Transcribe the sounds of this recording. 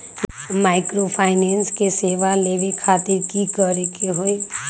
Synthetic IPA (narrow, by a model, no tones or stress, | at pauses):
maːɪkɾopʰaːɪneːnskeseːʋaleːʋekʰaːt̪ɪɾkikəɾekeɦoe